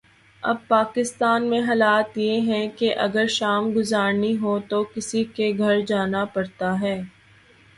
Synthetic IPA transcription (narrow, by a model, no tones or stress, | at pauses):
ɐ̰b̚paːkɪst̪aːnmẽɦɐːlaːt̪jeɦɛ̃keʔɐɡəɾʃaːmɡʊzaːɾniɦot̪okɪsikeɡʱɐɾd͡ʒaːnapɐɾt̪aɦɛː